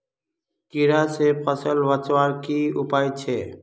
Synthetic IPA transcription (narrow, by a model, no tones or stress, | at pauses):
kiɾaːseːpʰəsəlʋət͡ʃwaːɾkiːʊpaːjt͡ʃʰeː